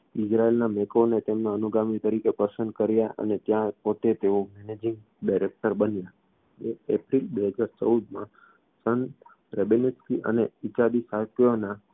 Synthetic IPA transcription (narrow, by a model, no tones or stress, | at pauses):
ɪd͡ʒɾaelnamekʰonet̪emnaənuɡamit̪əɾikepəɾsənd̪̚kəɾjaʔə̰net̪jãpot̪et̪eomɛned͡ʒɪ̃ŋɡ | ɖajɾek̚ʈəɾbənja | d͡ʒeepɾilbeɦəd͡ʒaɾt͡ʃəud̪mã | sən | ɾebeneskiʔə̰neit͡ʃad̪isakjona